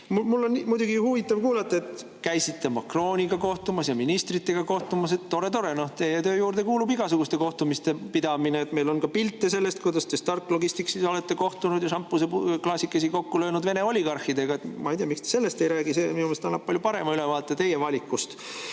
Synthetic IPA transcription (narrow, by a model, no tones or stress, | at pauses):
mumulːo̞nmujd̪uɡihuvit̪ˑːɑvkuːlɑt̪ˑːɑet̪ | kæjsit̪ːe̞mɑkro̞ːnʲiɡ̥ɑko̞ht̪umɑsjɑminist̪rit̪ːe̞ɡ̥ɑko̞ht̪umɑs̬e̞t̪ːo̞ɾe̞t̪o̞ɾe̞no̞ht̪ejet̪øːjuːɾd̪e̞kuːlubiɡɑsuɡ̥ust̪e̞ko̞ht̪umist̪e̞pid̪̥ɑmineːt̪me̞jlo̞nkɑpilt̪ːˑe̞se̞lːe̞st̪̚kujd̪ɑst̪e̞st̪ɑrt̪ːˑlo̞ɡ̥ist̪iksiso̞le̞t̪ːe̞ko̞ht̪unud̪jɑsɑmpːˑuseklɑsʲikːˑesiko̞kːulø̞ːnud̪ve̞neo̞lʲiɡ̥ɑrxid̪e̞ɡ̥ɑe̞t̪mɑ̰ejd̪ijɑmikst̪ese̞lːest̪e̞jɾæːɡ̥iseminumelst̪ɑnːɑp̚pɑlʲjupɑɾe̞mɑylevɑːt̪ːˑet̪e̞jevɑlʲikːust̪